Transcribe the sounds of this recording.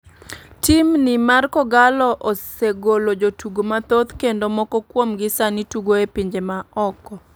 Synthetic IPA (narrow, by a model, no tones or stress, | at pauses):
timnɪmarkɔɡalɔʔosseɡolod͡ʒotuɡomat̪ot̪kendomɔkɔkwomɡɪsanituɡoepiɲd͡ʒemaɔkɔ